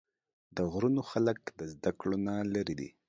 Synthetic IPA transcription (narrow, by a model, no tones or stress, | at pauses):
d̪əɣɾunoxaləkd̪əzd̪akɽonalaɾid̪ḭ